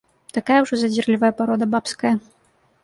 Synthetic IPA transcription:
t̪akajɐwʐɔzɐd͡zʲirlʲivɐjɐpaɾɔd̪ɐbapskɐjɐ

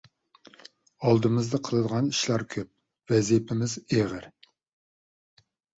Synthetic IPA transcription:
ɑlˠd̪ɨmɨzd̪ɑqʰəlˠɨd̪əʁɑniʃlɑɾkʲʰøp̚ | vɛzipʰɪmɪzeʁəɾ

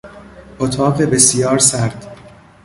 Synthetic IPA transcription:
ʔot̪ʰɒːɢebesijɒːɾsæɾd̪̥

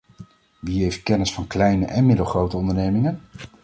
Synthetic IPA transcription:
ʋiɦejft̚kɛnɪsfɑnklɛjnəʔɛnmɪdəlˠχrowtəɔndəɹnejmɪŋən

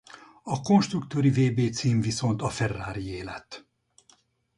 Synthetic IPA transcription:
ɒko̞nʃt̪rukt̪oːɾiveːbeːt̪siːmviso̞nt̪ɒfɛrːaːɾieːlɛt̪ː

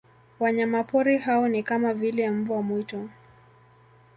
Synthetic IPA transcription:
waɲamapɔɾihaɔnikamavilɛm̩vuwamwitɔ

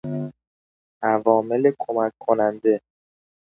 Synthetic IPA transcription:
ʔævɒːmelekʰomækʰːonænd̪e

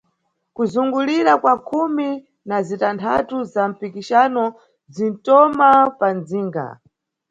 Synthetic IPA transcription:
kuzuŋɡuliɾakwakʰumi | nazitantʰa̰tuzam̩pikiʃanɔ | zin̩tɔmapanziːŋɡa̰

